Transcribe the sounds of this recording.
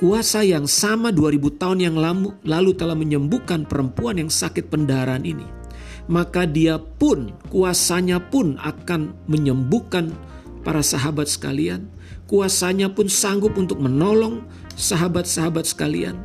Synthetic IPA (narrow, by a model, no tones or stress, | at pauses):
kuasajaŋsamaduaɾibut̪aʊnjaŋlamulalut̪əlahməɲəmbukanpəɾəmpuanjaŋsakɪt̪̚pəndaɦaɾaːninḭ | makadiapʊnkuasaɲapʊna̰kanməɲəmbukan | paɾasaɦabat̪̚sə̥ka̰lia̰n | kuasaɲapʊnsaŋɡʊp̚unt̪ʊk̚mənolɔŋ | saɦabat̪̚saɦabat̪̚sə̥kalḭa̰n